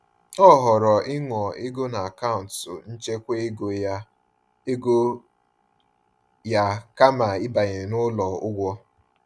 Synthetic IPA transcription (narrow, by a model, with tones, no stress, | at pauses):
ɔ˦˨ɦɔ˨ɾɔ˨ɪ˦ŋɔ˨ɪ˦ɡo˦na˨a˨ka˦ʊ˨n̩˨tʊ˨n̩˦t͡ʃe˦kʷe˦e˦ɡo˨ja˦ | e˦ɡo˦ | ja˦ka˦ma˨ɪ˦ba˨ɣɪ˨nʊ˦lɔ˨ʊ˦ɡʷɔ˦